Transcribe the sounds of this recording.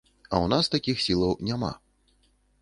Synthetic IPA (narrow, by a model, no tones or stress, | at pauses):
ɐ̰wnast̪akʲixsʲilˠɐwnʲama̰